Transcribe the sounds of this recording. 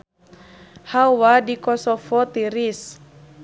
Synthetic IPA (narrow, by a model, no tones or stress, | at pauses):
hawadikɔsɔfɔt̪iɾis